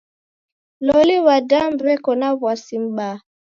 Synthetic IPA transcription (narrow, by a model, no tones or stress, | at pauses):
lɔliwadambɾɛkɔnaβwasim̩ɓa